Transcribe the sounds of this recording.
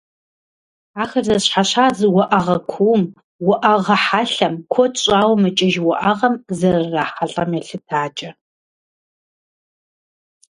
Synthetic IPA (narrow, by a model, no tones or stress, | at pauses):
aːxɐrzɐɕħaɕaːzwɔʔɐʁɐkʷʰuːm | wɔʔɐʁɐħaɬɐmkʷʰɔt͡ʃʼaːwmɨt͡ʃʼɪʒwɔʔɐʁɐmzɐrraːħaɬʼɐmjɛɬɨtʰaːt͡ʃʼɐ